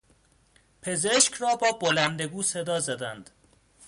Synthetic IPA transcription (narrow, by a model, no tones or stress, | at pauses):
pʰe̞zeʃcʰrɒːbɒːbolænd̪e̞ɡuːse̞d̪ɒːzæd̪ænd̪̥